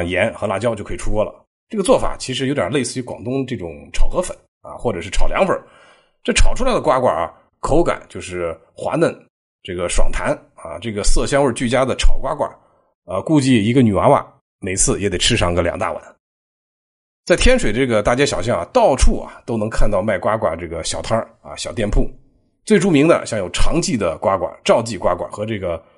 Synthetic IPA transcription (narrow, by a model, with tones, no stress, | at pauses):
ŋjɛ˧˥nxɤ˧˥la̰˥˩t͡ɕjɑ˥ʊt͡ɕjo˥˩ʊɤ˧˥˨ʈ͡ʂʰu˥kwɔ˥lə̰˩ | ʈ͡ʂɤ˥˩ɡə˩t͡swɔ˥˩fa̰˨˩t͡ɕʰi˧˥ʂɻ̩˧˥jo˧˥ʊt̪jɑ̰˨˩le˥˧ɪsɹ̩˥˩y˧˥kwɑ̰˨˩ŋt̪ʊ˥ŋʈ͡ʂɤ˥˩ʈ͡ʂʊ˨˩˦ŋʈ͡ʂʰɑ˨˩ʊxɤ˧˥fə˨˩˦n | ɐ̰˧xwɔ˥˩ʈ͡ʂɤ˨˩ʂɻ̩˥˩ʈ͡ʂʰɑ˨˩ʊljɑ̰˧˥ŋfə˞˨˧˩ | ʈ͡ʂɤ˥˩ʈ͡ʂʰɑ˨˩ʊʈ͡ʂʰu˥la˧ɪd̪ə˧kwa˥kwa̰˞˨˩ɐ̰˨˩ | kʰo˧˥ʊka̰˨˩nt͡ɕjo˥˧ʊʂɻ̩˥˩ | xwa̰˧˥nə˥˩˦n | ʈ͡ʂɤ˥˩ɡə˩ʂwɑ̰˨˩ŋt̪ʰa˧˥n | ɐ̰˧ʈ͡ʂɤ˥˩ɡə˩sɤ˥˩ɕjɑ˥ŋwə˞˥˧t͡ɕy˥˩t͡ɕja˥d̪ə˨ʈ͡ʂʰɑ˨˩ʊkwa˥kwa̰˞˨˩˦ | ə˧ku˥˧t͡ɕi˥˩i˧˥ɡə˧ny˨˩a̰˧˥wa̰˨˩˦ | me˨˩ɪt͡sʰɹ̩˥˩jɛ˧˥t̪e˨˩ɪʈ͡ʂʰɻ̩˥ʂʰɑ˥ŋɡə˧˩ljɑ̰˨˩ŋt̪a̰˥˩wa̰˨˧˦n | t͡sa˥˩ɪt̪ʰjɛ˥nʂwe˨˩ɪəʈ͡ʂɤ˥˩ɡə˩t̪a˥˩t͡ɕjɛ˥ɕjɑ˨˩ʊɕjɑ˥˩ŋa̰˩t̪ɑ˥˧ʊʈ͡ʂʰu˥˩ɐ̰˩t̪o˥ʊnɤ˧˥ŋkʰa˥˧nt̪ɑ˥˧ʊma˥˩ɪkwa˥kwa̰˨˩ʈ͡ʂɤ˥˩ɡə˩ɕjɑ˨˩ʊt̪ʰa˥ | ɐ̰˧ɕjɑ˨˩ʊt̪jɛ˥˧npʰu˥˩ | t͡swe˥˩ɪu˥mi˧˥ŋd̪ə̰˧ɕjɑ˥˩ŋjo˨˩ʊʈ͡ʂʰɑ˧˥ŋt͡ɕi˥˩d̪ə˩kwa˥kwa̰˨˩ʈ͡ʂɑ˥˧ʊt͡ɕi˥˩kwa̰˥kwa̰˨˩xɤ˧˥ʈ͡ʂɤ˥˩ɡə˩